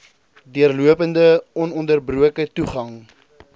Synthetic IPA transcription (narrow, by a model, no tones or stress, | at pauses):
diərluəpəndəɔnɔndərbruəkətuχɐŋ